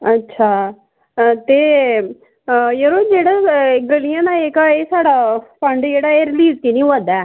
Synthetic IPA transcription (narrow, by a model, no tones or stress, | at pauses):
ətːʃʰaː | t̪eː | jəɾoːd͡ʒeːɽaːɡəlijãːd̪aːeːkaeːsaːɽaːpəɳɖd͡ʒeːɽaːeːɾɪliːzk̪iːnĩːoad̪aɛː